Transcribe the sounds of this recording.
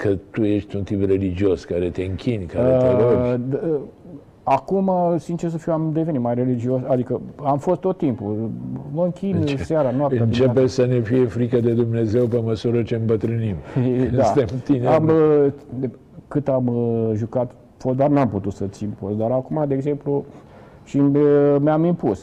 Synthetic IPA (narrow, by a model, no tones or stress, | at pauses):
kʰət̪uje̞ʃt̪ʲunt̪ipre̞lid͡ʒio̞skaɾe̞t̪e̞ɨŋkʲinʲkaɾet̪eɾod͡ʒ | akumasint͡ʃers̬əfiwamd̪e̞venit̪majre̞lid͡ʒiosad̪ikəamfo̞st̪ːo̞t̪ːimpuloŋkʲiseaɾanoapɨanit͡ʃepesəne̞fije̞fɾikəd̪e̞d̪umne̞ze̞wpe̞məsuɾət͡ʃe̞ɨmbət̪ɾɨnimd̪at̪emt̪ineamə | kɨt̪amʒukat̪ | fod̪arnamput̪ut̪sət̪simposd̪aɾakumad̪e̞ːɡze̞mplu | ʃimeamimpus